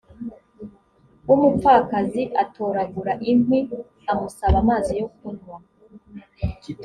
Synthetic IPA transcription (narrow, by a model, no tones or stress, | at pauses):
umufaːkaziʔatʰoːɾaɡuɾaʔimwi | amusaβamaːzijo̞k̚unwa